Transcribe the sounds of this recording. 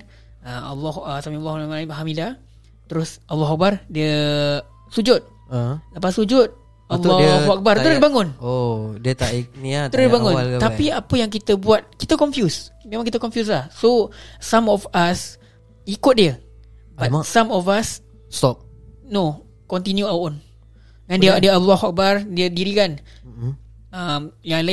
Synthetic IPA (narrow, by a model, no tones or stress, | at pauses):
əa̰lːɔhasamĩalːahamaimaɦamida | t̪əɾʊsalːɔɦak̚bardiə | sud͡ʒʊt̪̚ | ləpasud͡ʒʊt̪̚ | alːɔak̚bart̪əɾʊsbaŋʊnodiət̪aik̚niat̪əɾʊsbaŋʊ̃nt̪aiapəjaŋk̬it̪əbuat̪̚kit̪əkɔnfjusmẽmaŋkit̪əkɔnfjus̬lahsosamɔfas | ikʊt̪̚diə | batsamɔfas | st̪ɔp̚no | kɔnt̪injuawon | ŋandidiəabubahwak̚bardiədiɾikan | amjala